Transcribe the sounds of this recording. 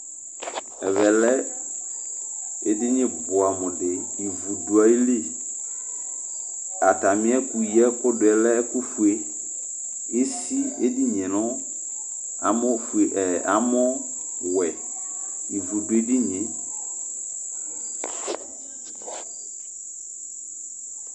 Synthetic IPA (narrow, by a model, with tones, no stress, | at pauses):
ɛ˨vɛ˨lɛ˦ | e˦dɪ˦ɲɪ̃˦bʊ˨a˨mʊ̃˨dɪ˨i˨vu˨du˨a˨i˦le˦ | a˨ta˨mɪ̃˦ɛ˦ku˨i˨˦ɛ˦kʊ˦dʊ˨ɛ˨lɛ˦ku˦fu˨e˦ | e˦si˦e˦di˦ɲɛ̃˨nʊ̃˦ | a˨mʊ˦fʔɛ˨a˨mʊ˦ | wɛ˨ | i˨vu˨dʊ˨e˦dɪ˦ɲɪ̃˨